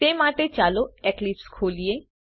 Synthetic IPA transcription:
t̪emaʈet͡ʃaːloɛklipskʰoːlie

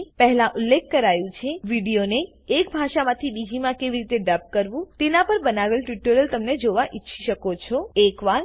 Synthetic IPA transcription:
pəɦlãʔʊlːekʰːəɾajũt͡ʃʰeʋiɖijoneː | kbʱaʃamãt̪ʰibid͡ʒimãkeʋiɾit̪eɖəp̚kəɾʋũt̪enapəɾbənaʋelʈiʈəɾəlt̪əmned͡ʒoʋaʔitːʃʰiʃəkot͡ʃʰɔekʋan

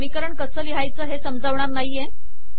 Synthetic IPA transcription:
mikəɾəɳkəsəːliɦajt͡səːɦesəmd͡zaʋɳaɾnaɦije

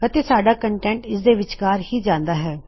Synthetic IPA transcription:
kət̪eːsaːɖaːkəɳʈɛ̃ːɳʈɪsd̪eːʋɪt͡ʃkaːɾhiːd͡ʒãːnd̪aːɦɛː

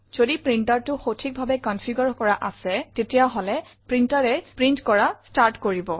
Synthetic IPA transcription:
z̥odipɹintaɹtʊxotʰik̚bʱabɛkɔnpʰiɡɔɹkɔɹaʔasɛtetijaɦɔlɛpɹintaɹɛpɹintkɔɹastaɹtkoɹibɔ

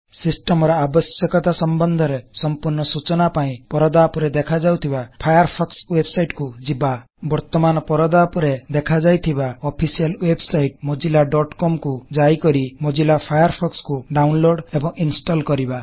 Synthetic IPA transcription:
sisʈemɔɾɔabɔsjɔkɔt̪asɔmbɔnd̪ʱɔɾesɔmpuɾɳɔsut͡ʃɔnapaĩpɔɾɔd̪apɔɾed̪ekʰad͡ʒawt̪ʰibapʰajaɾpʰɔkswebsajʈkud͡ʒiba | bɔɾt̪ɔmanɔpɔɾɔd̪apɔɾed̪ekʰad͡ʒajt̪ʰibaɔpʰisijɔlwebsajʈ̚mod͡ʒilaɖɔʈkɔmkud͡ʒaikɔɾimod͡ʒilapʰajaɾpʰɔkskuɖawnloɖebɔŋinsʈɔlkɔɾiba

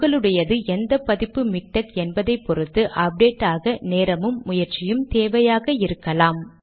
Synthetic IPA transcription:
ɣɐɭɯɽɐjɐðɯʔɛnd̪ɐpɐðɪpːɯmɪk̚ʈɐkɛnbɐðɐɪpːɔɾɯt̪ːɯʔɐp̚ɖeːʈːaːɣɐneːɾɐmɯmːʊjɐɾt͡ʃɪjɯmt̪eːʋɐjaːɣɐɪɾɯkːɐlaːm

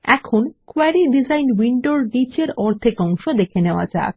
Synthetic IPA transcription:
ɛ̰kʰonkoaɾiɖid͡ʑajnwiɳɖoɾnit͡ɕeɾɔɾt̪ʰekɔŋʃod̪ekʰeneoa̰d͡ʑa̰ːk

